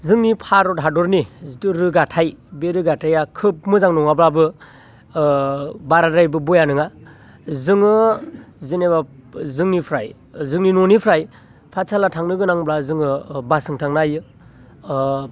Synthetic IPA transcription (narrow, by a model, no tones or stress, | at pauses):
zɯŋnipʰaɾɔtɦadɔɾniɾɯɡatʰajbeɾɯɡatʰajakʰɯp̚mɯzaŋnɔŋablabɯ | baɾadajbɯbujanɯŋa | zɯŋɯ | zinebazɯŋnipʰɾaj | zɯŋninɔnipʰɾaj | pʰasʰalatʰaŋnɯɡɯnaŋblazɯŋɯbasɯŋtʰaŋnajɯ